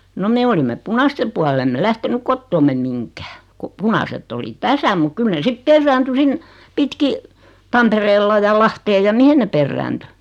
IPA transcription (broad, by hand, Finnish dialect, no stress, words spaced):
no me olimːe punɑste puɑl emːe læhtenyk kotːoːmːem miŋkæː ko punɑsetː oli tæsæ muk kyl ne sip perːæːnty sin pitki tɑmpereːlːɑ jɑ lɑhteːj jɑ mihen ne perːæːnty